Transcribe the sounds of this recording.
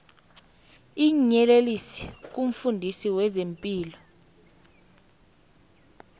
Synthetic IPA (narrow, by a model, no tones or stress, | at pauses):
iɲɛlelisi̥k̬ʼum̩fundʱisiwɛzempʼiːlɔ